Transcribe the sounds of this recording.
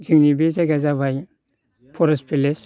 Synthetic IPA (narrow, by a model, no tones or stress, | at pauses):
ziŋnibezaɡazabʱaj | pʰɔɾɔspʰiles